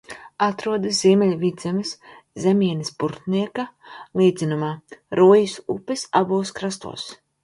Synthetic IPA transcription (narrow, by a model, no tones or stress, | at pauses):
at̪ɾuɔd̪ɐsziɛmʲɛlʲvʲid̪zɛmɨs | zʲemʲiɛnispuɾt̪niɛkalˠiːd̪zʲinumaːɾuɔjisṵpʲisa̰buːskɾast̪ṵɔs